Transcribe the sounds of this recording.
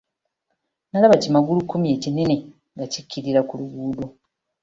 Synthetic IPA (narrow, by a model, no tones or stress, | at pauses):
nalaβacimaɡulukːumje̞ːcine̞ne̞ | ŋɡacikːiɾiɾakuluɡuːdo